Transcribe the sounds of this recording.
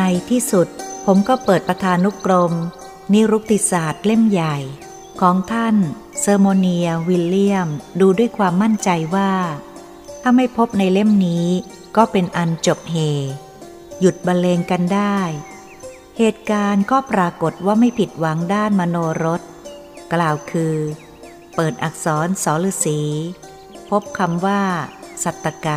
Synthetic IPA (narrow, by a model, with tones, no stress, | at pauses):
na˧jt̪ʰiː˥˩su˨˩t̪̚pʰo˩˦mkɔː˥˩pɤː˨˩t̪̚pɾa˧t̪ʰaː˧nːu˦˥kɾo˧m | ni˦˥ɾu˦˥k̚t̪i˧˩saː˨˩t̪̚le˥˩mja˨˩j | kʰɔː˩˦ŋt̪ʰa˥˩n | sɤː˧moː˧ni˧ɐwi˧li˥˩əmduː˧du˥˩əjkʰwaː˧mːa˥˩nt͡ɕa˧jwaː˥˩ | t̪ʰaː˥˩ma˥˩jpʰo˦˥p̚na˧jle˥˩mniː˦˥ | kɔː˥˩pe˧nʔa˧nt͡ɕo˨˩p̚ɦeː˨˩ | ju˨˩t̪̚ba˧nleː˧ŋka˧ndaː˥˩j | heː˨˩t̪̚kaː˧nkɔː˥˩pɾaː˧ko˨˩t̪̚waː˥˩ma˥˩jpʰi˨˩t̪̚wa˩˦ŋdaː˥˩nmaː˧noː˧ɾo˦˥t̪̚ | klaː˨˩wkʰɯː˧ | pɤː˨˩t̪̚ʔa˨˩k̚sɔː˩˦nsɔː˩˦lɯː˧˦˥siː˩˦ | pʰo˦˥p̚kʰa˧mwaː˥˩sa˨˩t̪ːa˧ka˨˩